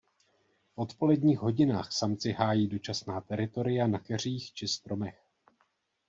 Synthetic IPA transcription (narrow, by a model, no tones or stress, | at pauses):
fʔo̞t̪po̞lɛdɲiːxɦo̞ɟɪnaːxsamt͡sɪɦaːjiːdo̞t͡ʃasnaːt̪ɛɾɪt̪o̞ɾɪjanakɛr̝iːxt͡ʃɪst̪ɾo̞mɛx